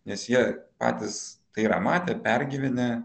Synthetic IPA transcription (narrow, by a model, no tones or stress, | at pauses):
nʲɛsjiɛpɑ̰ːt̪ʲɪst̪ɐɪiɾɐmɑːt̪ʲeːpʲɛɾʲɡʲiːʋʲɪnʲɛ